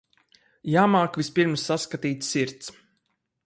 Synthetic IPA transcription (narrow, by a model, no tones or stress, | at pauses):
jaːmaːkvʲispiɾmsːaskat̪iːt̪sʲsiɾt̪s